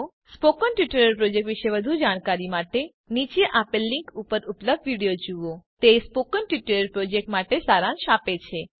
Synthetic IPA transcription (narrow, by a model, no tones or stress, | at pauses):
spokənʈiʈəɾəɾpɾod͡ʒek̚ʈʋiʃeʋəd̪ʱud͡ʒaɽ̃kaɾimaʈe | nit͡ʃəʔapəlːiŋkupəɾupləb̚d̪ʋiɽijod͡ʒuʋot̪espokənʈʋiʈəɾəɾpɾod͡ʒek̚ʈmaʈesaɾãnʃapet͡ʃʰe